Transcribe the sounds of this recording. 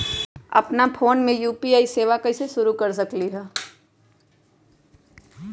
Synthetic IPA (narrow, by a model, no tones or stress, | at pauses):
ɐ̰pnapʰoːnmẽjuːpiaːiseːʋakɐɪseʃʊɾukɐɾs̬ɐkliɦɛː